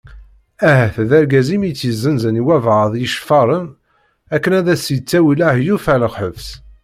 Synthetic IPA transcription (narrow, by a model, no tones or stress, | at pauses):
æɦæθðæɾɡæzimit͡sːjəzːənzəniwævʁðˤjəʃfɑɾˤəm | ækːənæðæsjət͡sːæwilahjufæləʁħəvs